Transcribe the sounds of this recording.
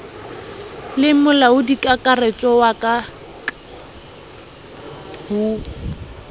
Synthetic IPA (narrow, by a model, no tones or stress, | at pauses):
lɪmʊlaʊdikʼakʼaret͡ʃʼɔwakʼa | huː